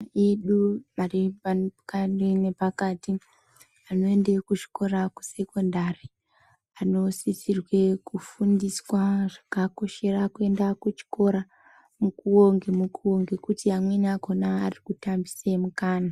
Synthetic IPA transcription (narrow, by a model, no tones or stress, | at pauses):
iɗumaripakarine̞pakati | ano̞e̞ndekut͡ʃi̥ko̞ɾaku̥se̞ko̞ndari | ano̞sisirwe̞kufundiswaʐakako̞ʃe̞rakue̞ndakut͡ʃi̥ko̞ɾa | mukuoŋɡemukʰuoŋɡe̞kutiamwenako̞naːrikutambisemukaːna